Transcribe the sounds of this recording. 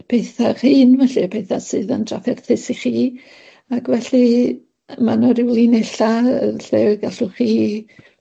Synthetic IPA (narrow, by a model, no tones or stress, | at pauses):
pʰejθaχiːnvɛɬɨpʰejθasɨːðəndra̰fɛrθɪsiχiː | akʰvɛɬɨ | manɔɾɪwlˠinɛɬaə̰ɬɛwɡaɬʊχiː